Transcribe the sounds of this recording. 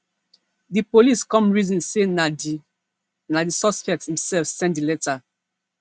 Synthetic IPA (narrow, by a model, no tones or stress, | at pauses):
dipoliskɔ̃mɹizɔ̃nse | nadisɔspɛk̚tshĩmsɛlfsɛ̃ndilɛta